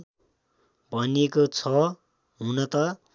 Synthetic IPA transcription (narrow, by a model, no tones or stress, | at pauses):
bʱʌnekot͡sʰʌ | ɦunʌt̪ʌ